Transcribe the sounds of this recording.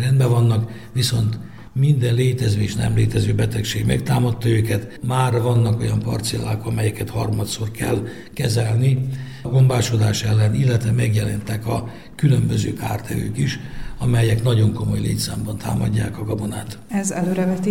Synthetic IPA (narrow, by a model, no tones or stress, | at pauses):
rɛnd̪bɛvɒnːɒk | ʋiso̞nt̪ | mind̪ɛnleːt̪ɛzøːeːʃnɛ̰mleːt̪ɛzøːbɛt̪ɛkʃeːɡmɛ̰kt̪aːmɒt̪ːɒøːkɛt̪maːrvɒnːɒko̞jɒmpɒ̰rt̪sɛla̰ːkɒmɛjɛkɛt̪hɒrmɒt̪sorkɛ̰l | kɛzɛlni | ɡo̞mbaːt͡ʃod̪aːʃɛlːɛnilːɛt̪ɛmɛɡjɛlɛnt̪ɛkɒ̰ | kylø̞mbøzøːkaːrt̪ʰɛvø̰ːkiʃɒmɛjɛknɒɟo̞ŋko̞mo̞̰jlḛːt̪sa̰ːmbɒnt̪ʰa̰ːmɒ̰ɟːa̰ːkɒɡɒbonaːt̪ɛzɛløːɾɛvɛt̪i